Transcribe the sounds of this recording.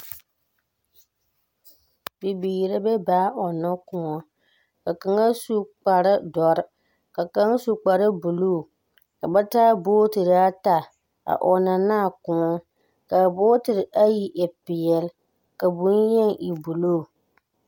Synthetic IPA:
bi˨biː˨ɾa˦bɛ˦baː˨˦ʔɔ˨na˦kʊ˦ŋɔ˦ | ka˨ka˨ŋa˦su˦k͡pa˨ɾɪ˦dɔ˨ɾɪ˦ | ka˨ka˦ŋ˦su˨k͡pa˨ɾɨ˦bu˨loː˦˨ | ka˨ba˦taː˦boː˦tɪ˨ɾa˦ta˨ | a̰˨ʔɔ˨na˨naː˦˨kʊ˨ŋɔ˦ | ka˨boː˦tɪ˨ɾɪ˨ʔa˦ji˦ʔɛ˨pɪ˨jɛ˨l | ka˨bu˦njɛ˦ŋʔi˨bu˨loː˦˨

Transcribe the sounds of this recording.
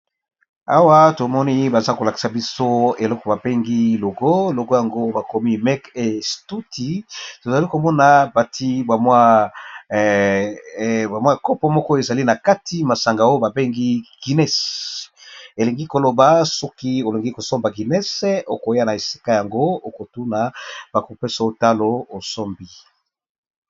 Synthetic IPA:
a̰˦wa˦to˨mɔ˦ni˦ba˨za˦ko˨la˨ki̥˨sa˨bi˦so˦e˨lɔ˦kɔ˨ba˨be˦ŋɡi˦lo˨ɡo˦lo˨ɡo˦ja˨ŋɡo˦ba˨ko˨mi˦mɛ˦ke˨stu˦tʰi˨to˨za˨li˦ko˨mɔ˦na˨ba˨tʰi˦ba˨mwa˦ | ba˨mwa˦kɔ˦pɔ˦mɔ˦kɔ˦e˨za˨li˦na˨ka˦ti˦ma˨sa˨ŋɡa˨o˦ba˨be˦ŋɡi˦ɡ̥i˨nɛ˦s | e˨le˨ŋɡi˦ko˨lo˨ba˨˦sɔ˦ki˦o˨le˨ŋɡi˦ko˨sɔ˦mba˨ɡi˨nɛ˦so˦ko˨ja˦na˨e˨si̥˦ka˦ja˨ŋɡo˦o˦ko˨tu˦na˨b̥a˨ko˨pɛ˦sa˨o˦ta˦lo˦o˨sɔ˦mbi˦

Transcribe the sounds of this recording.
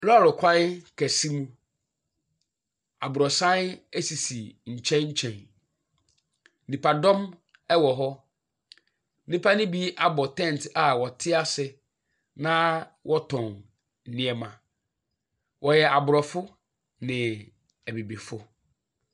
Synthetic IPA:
llʊ˨kʷʰã˦n˦kʰɛ˨si˦mũ˦ | a̰˨bʊ˨ɾɔ˨sã˦næ˦si˨si˨ɲ̩˨t͡ɕʰɛ̃˦nɲ̩˦t͡ɕʰɛ̃˨n | nĩ˨pʰa˨dɔ̃˦m | ɛ˦wɔ˨ɦɔ˦ | nĩ˦pʰa˦nɪ̃˦bi˦ʔa˦bɔ˨tʰɛ̃˦˨n˨tʰa˨wɔ˨tʰɪ˦a˦sɪ˨ | nã˦wʔɔ˦tʰɔ̃˨n | n̩˨nĩ˦ɛ˨mã˨ | wʔɔ˨jɛ˨a˨bʊ˨ɾɔ˨fʊ˦ | nɪ̃˨ | æ˨bi˨bi˨fʊ˦

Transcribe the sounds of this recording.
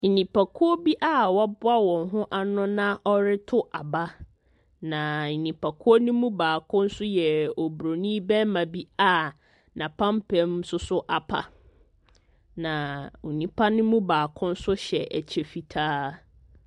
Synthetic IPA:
n̩˨nĩ˨pʰa˨kʰʊ˦o˦bi˦ʔa˦˨wa˦bʊ˦a˦wɔ̃˨nɦʊ̃˦ʔa˨nʊ̃˦nã˦ʔɔ˦ɾɪ˦tʰʊ˦ʔa˨ba˦ | nã˨nĩ˨pʰa˨kʰʊ˦o˦nʊ̃˦mũ˦baː˨kʰʊ̃˦n̩˦sʊ˦jɛ˨ɔ˨bɾo˨nĩ˦bɛ̃˦mã˨bi˦a˦˨ | nã˨pʰã˦mpʰɛ̃˨msʊ˦sʊ˦ʔa˨pʰa̰˨ | nã˨u˨nĩ˦pʰa˦nʊ̃˦mũ˦baː˨kʰʊ̃˦n̩˦sʊ˦ɕɛ˨ʔɛ̰˨t͡ɕʰe˨fi˨tʰaː˦

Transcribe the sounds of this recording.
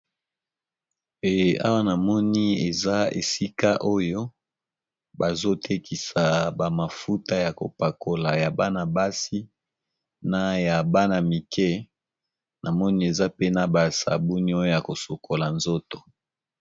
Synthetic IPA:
e˨a̰˦wa˦na˨mɔ˦ni˦e˨za˦ḛ˨si˦ka˦ʔo˦jo˦ | ba˨zo˦tʰe˦kʰi˨sa˨ba˨ma˨fu˦ta˦ja˨ko̰˨pa˨kʰo˨la˨ja˨ba˦na˨ba˦si˦ | na˦ja˨ba˦na˨mi˨kʰɛ˦ | na˨mɔ˦ni˦e˨za˦pe˦na˦ba˨sa̰˨bu˦ni˦o˦jo˦ja˨ko˨so˨ko˨la˨nzo˦to̥˨

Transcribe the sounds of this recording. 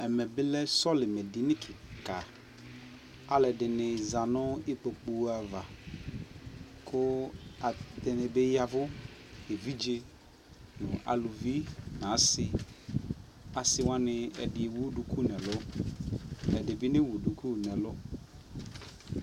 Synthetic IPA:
ɛ˨mɛ˨bɪ˦lɛ˦sɔ˦lɪ˨mɛ˨dɪ˨nɪ̃˦kʰɪ˨ka˨ | a˨lɛ˨dɪ˨nɪ̃˨za˨nʊ̃˦ɪ˦k͡po˨k͡pu˨˦a˨va˨ | kʰʊ˦a˨t̪ɛ˨nɪ˨be˦ja˨vʊ˦e˨vi˦d͡ʒe˦ | nʊ̃˨ʔa̰˨lu˨vi˦nã˨˦sɪ˨ | a˨sɪ˦wã˦nɪ˨ɛ̰˨dɪ˨wu˦du˨kʰu˦nɛ̃˨lʊ˦ | ɛ˨dɪ˨bɪ˦nɪ̃˦wu˨du˨kʰu˦nɛ̃˨lʊ˦

